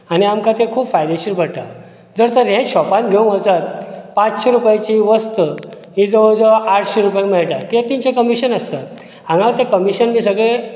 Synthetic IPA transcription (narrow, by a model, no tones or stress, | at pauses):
aniamkat̪ẽkʰuːpfajd̪eɕiɾbəɽʈ̪a | d͡zəɾt̪əɾɦẽɕɔpãt̪ɡʱew̃ŋɡət͡sat̪̚pãt͡sɕeɾupajt͡ɕiʋəst̪ə | ɦĩd͡zəʋəd͡zəaʈʰɕeɾupjãŋmɛɭʈakiat̪iɲt͡ɕakəmiɕənəst̪ə | ãŋɡat̪ekəmiɕənmiːs̬əɡɭe